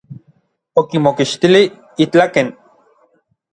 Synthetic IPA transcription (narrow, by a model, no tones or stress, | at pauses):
okimokiʃt̪ili | it͡ɬaken